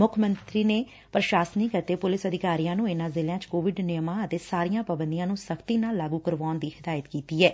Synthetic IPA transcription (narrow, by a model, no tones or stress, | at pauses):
mʊkʰmənt̪ɾiːneː | pɾəʃaːsəniːkət̪eːpʊlɪsəd̪ɪkaːɾijãːnũːɪnãːzɪljãːt͡ʃkoːʋɪɖnɪjmãːət̪eːsaːɾijãːpabənd̪ijãːnũːsəkʰt̪iːnaːlːaːɡuːkəɾʋaːnd̪iːhɪd̪aːjət̪kiːt̪iːɛː